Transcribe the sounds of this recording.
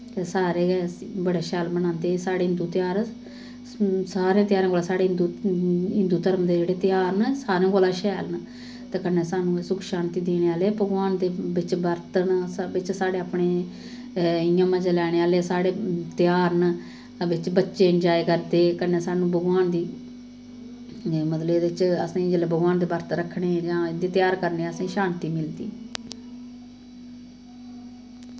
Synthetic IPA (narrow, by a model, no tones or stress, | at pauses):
t̪eːsaːɾeːbəɽaːʃɛːlbəñãːnd̪eːsaːɽeːɦɪnd̪uːt̪ɪjaːɾ | saːɾẽːt̪ɪjaːɾãːɡoːlaːsaːɽeːɦɪnd̪uːɪnd̪uːt̪əɾmd̪eːd͡ʒeːɽeːt̪ɪjaːɾnəsaːɾẽːɡoːlãːʃɛːln | t̪eːkənːeːsaːnũːsʊkʰʃaːnt̪iːd̪eːneːaːlebəɡʋaːnd̪eːbɪt͡ʃbəɾt̪nsbɪt͡ʃsaːɽeːapɳeː | ɪjãːmãːd͡ʒəlɛːɽ̃eːaːleːsaːɽeːt̪ɪjaːɾn | ʋɪt͡ʃbətːʃeːənd͡ʒaːekəɾd̪eːkənːeːsaːnũːbʱəɡaːnd̪iː | mət̪lɪt͡ʃəsãːd͡ʒəlebʱəɡʋaːnd̪eːbəɾt̪ɾəkʰɳeːd͡ʒãːɪnd̪eːt̪jaːɾkəɾneːəsãːʃaːnt̪iːmɪld̪ḭː